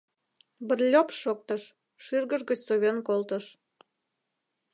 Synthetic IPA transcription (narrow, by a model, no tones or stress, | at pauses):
bə̆rlʲopʃok̚t̪əʃː | yrɣəʒɣət͡ɕsoβʲenkolt̪əʃ